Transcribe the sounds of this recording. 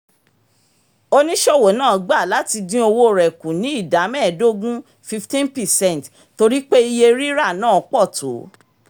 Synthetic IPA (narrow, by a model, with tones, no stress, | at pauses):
o˧nĩ˦ʃɔ˦˨wo˨˦nãː˦˨ɡ͡ba˦˨la˨˦ti˧dĩ˦o˧wo˦˨ɾɛ˨kũ˨nĩ˨˦i˦˨da˨˦mɛ˦˨do˦ɡũ˦ | fi˧ftĩ˦npɛ˨sɛ̃˦˨n˨t | to˧ɾi˦k͡pe˦i˧je˧ɾi˦ɾa˦˨nãː˦˨˦k͡pɔ˦˨to̰˨˦